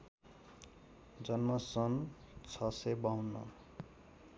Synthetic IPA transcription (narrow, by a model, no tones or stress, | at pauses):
d͡zʌnmʌsʌn | t͡sʰʌsebaunːʌ̰